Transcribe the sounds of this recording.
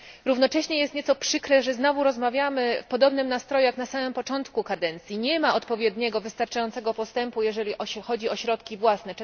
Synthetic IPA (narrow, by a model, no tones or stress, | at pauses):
ɾuvnɔt͡ʂɛɕɲɛjɛst̪ɲɛt̪sɔpʂɘkɾɛʐɛznɔvuɾɔzmavʲjamɘfpɔd̪ɔbnɘmnast̪ɾɔjujaknasamɘmpɔt͡ʂɔnt̪kukad̪ɛnt̪sʲjiɲɛmaʔɔt̪pɔvʲjɛd̪ɲɛɡɔvɘst̪aɾt͡ʂajɔnt̪sɛɡɔpɔst̪ɛmpujɛʐɛlʲiʔɔxɔd͡ʑiɔɕɾɔt̪kʲivwasnɛ